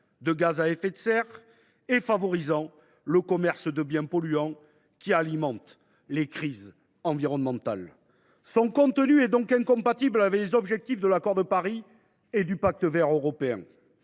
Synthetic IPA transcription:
d̪əɡazaɛfɛt̪sɛʁ | efavɔʁizɑ̃ | ləkɔmɛʁsd̪əbjɛ̃pɔlyɑ̃ | kʲialimɑ̃t̪ | lekχiz | ɑ̃viʁɔnmɑ̃t̪al | sɔ̃kɔ̃t̪ənyɛd̪ɔ̃kɛ̃ŋkɔ̃mpat̪iblavɛklezɔbʒɛk̚t̪ifd̪əlakɔʁd̪əpaʁi | ed̪ypak̚t̪əvɛʁøʁɔpeɛ̰̃

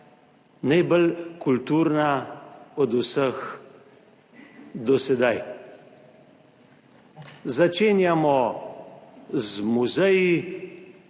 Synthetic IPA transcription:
najbəlkult̪uːɾnaɔd̪usəx | d̪ɔsɛd̪aj | zat͡ʃeːnjamɔ | zmuzɛji

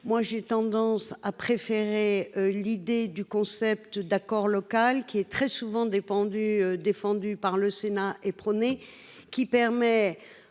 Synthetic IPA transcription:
mwaʒet̪ɑ̃d̪ɑ̃sapχefeʁelid̪ed̪ykɔ̃sɛp̚t̪d̪akɔʁlɔkalkʲiɛt̪χɛsuvɑ̃d̪efɑ̃d̪yød̪efɑ̃d̪ypaʁləsenaʔepχɔne | kʲipɛʁmɛ

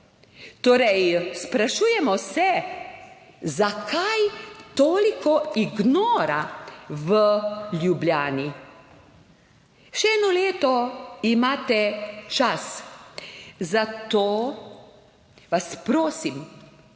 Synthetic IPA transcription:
t̪oːɾɛjspɾaʃuːjɛmɔsɛ | zakʰajt̪oːlikɔiɡnoːɾaʋəljubljaːni | ʃɛɛːnɔleːt̪ɔimaːt̪ɛt͡ʃas | zat̪oː | ʋaspɾoːsim

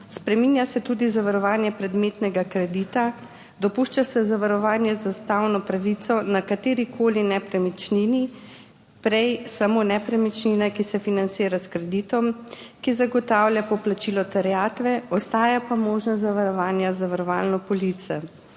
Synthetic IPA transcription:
spɾɛminjasɛt̪ud̪izaʋaɾɔʋaːnjɛpɾɛd̪meːt̪nɛɡakɾɛd̪it̪a | d̪ɔpuʃt͡ʃasɛzaʋaɾɔʋaːnjɛzast̪awnɔpɾaʋit̪sɔnakat̪eːɾikʰoːlinɛpɾɛmit͡ʃnini | pɾɛjsamoːnɛpɾɛmit͡ʃninakisɛfinant̪siːɾaskɾɛd̪iːt̪ɔmkizaɡɔt̪aːwlʲjapɔplat͡ʃiːlɔt̪ɛɾɛjaːt̪ʋɛɔst̪aːjapamoːʒnɔzaʋaɾɔʋaːnjazaʋaɾɔʋaːlnɔpɔlit̪sɛ

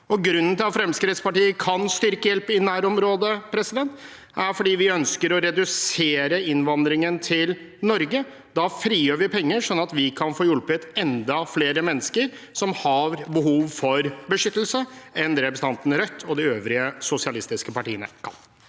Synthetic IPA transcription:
ɔɡɾʉnːənt̪ʰɪlɑt̪fɾɛmskɾɪt̪spɑʈiːəkʰɑnst̪ʏɾkəjɛlpɪnæːɾɔmɾoːd̪əpʰɾɛsɪd̪ɛnt̪ | æɾfɔɖiːʋɪœnskəɾɔɾɛd̪ʉseːɾəɪnʋɑnd̪ɾɪŋənt̪ʰɪl | nɔɾɡə | d̪ɑfɾiːjøːɾʋɪpʰɛŋːəʂɔnːɑt̪ʋɪkʰɑnfoːjʉlpʉt̪ɛnd̪ɑfleːɾəmɛnːəskəɾ | sɔmhɑɾbəɦuːʋfɔɾbəʂʏt̪ːl̩səɛnd̪ɾɛpəst̪ɑnt̪nɾœt̪ʰːɔd̪ɪøːʋɾɪəsʊsɪɑlɪst̪ɪskəpɑʈiːənə̰kʰɑ̰n

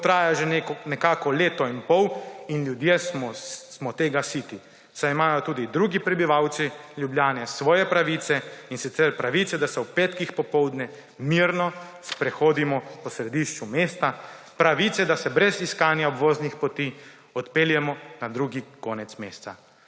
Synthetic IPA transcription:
t̪ɾaːjaʒennɛkaːkɔleːt̪ɔinpɔwinlʲjud̪jesmɔsmɔt̪eːɡasiːt̪i | sajimaːjɔt̪uːd̪id̪ɾuːɡipɾɛbiʋawt̪silʲjubljaːnɛsʋɔːjɛpɾaʋit̪sɛinsit̪sɛɾpɾaʋiːt̪ɛd̪asɔwpeːt̪kixpɔpɔwd̪nɛ | miɾnɔ | spɾɛxoːd̪imɔpɔsɾɛd̪iʃt͡ʃumeːst̪a | pɾaʋiːt̪ɛd̪asɛbɾɛziskaːnjaobʋoːznixpɔt̪iː | ɔt̪peːljɛmɔnad̪ɾuːɡikoːnɛt̪smeːst̪sa̰

